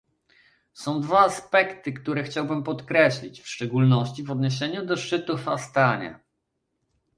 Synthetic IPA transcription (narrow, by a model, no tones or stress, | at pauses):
sɔ̃w̃d̪vaːspɛkt̪ɘkt̪uɾɛxt͡ɕawbɘmpɔt̪kɾɛɕlʲit͡ɕfʂt͡ʂɛɡulnɔɕt͡ɕivɔd̪ɲeɕ̬eɲud̪ɔʂt͡ʂɘt̪ufast̪aɲa̰